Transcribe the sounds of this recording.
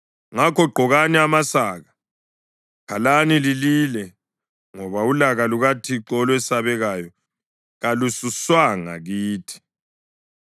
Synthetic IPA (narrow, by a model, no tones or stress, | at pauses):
ŋakʰɔɡ͡ǃʱɔɣaniamasaːɣa | kʰalanilililɛ | ŋɔβaulaɣaluɣatʰiǁɔlwɛsaβɛɣajɔ | ɣalususwaŋa̰ɣiːtʰi̥